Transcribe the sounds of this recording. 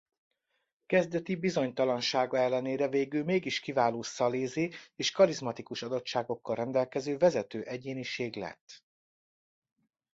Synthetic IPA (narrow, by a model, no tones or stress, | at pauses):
kɛzd̪ɛt̪ibizo̞ɲt̪ɒlɒnʃaːɡɒɛlːɛneːɾɛveːɡylmeːɡiʃkivaːloːsɒleːzeːeːʃkɒɾizmɒt̪ikuʃɒd̪o̞tʃaːɡo̞kːɒlrɛnd̪ɛlkɛzøːvɛzɛt̪øːʔɛɟeːniʃeːɡlɛ̰t̪ː